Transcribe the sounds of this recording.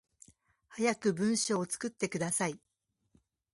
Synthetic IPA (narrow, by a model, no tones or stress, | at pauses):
hajakɯ̟bɯ̟̃ɰ̃ɕoːt͡sɨ̥kɯ̟t̪ːe̞kɯ̟d̪asai